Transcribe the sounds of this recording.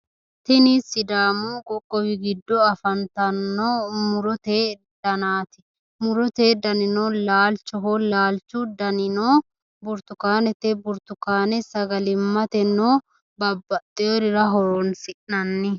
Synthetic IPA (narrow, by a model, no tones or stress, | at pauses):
t̪ɪnisːɪd̪aːmoːɡʼɔkʼːɔbɪɡɪd̪ːɔɐfɐnt̪ɐnːoːmʊɾɔt̪eː | d̪̥ɐnaːt̪ɪ̥ | mʊɾɔt̪eːd̪ɐnɪnoːlaːlt͡ʃːɔɦolaːlt͡ʃːʊd̪ɐnɪnoː | bʊɾt̪ʊkaːnɛt̪ɛbʊɾt̪ʊkaːnɛsɐɡɐlɪmːɐt̪ɛnːoː | bɐbːɐt̪ʼːɪoɾɪɾɐɦɔɾoːnsɪʔnɐnːɪ